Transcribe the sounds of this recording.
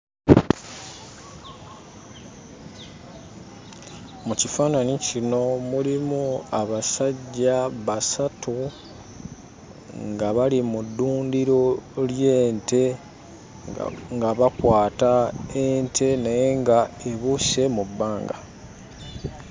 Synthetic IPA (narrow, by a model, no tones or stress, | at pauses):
mucifaːnanicino̞mulimuaβasaɟːaβasatu | ŋɡaβalimudːuːndiɾo̞lje̞ːnte̞ | ŋɡaβakwaːtaentʰe̞naje̞ŋɡae̞βuse̞mubːaːŋɡa̰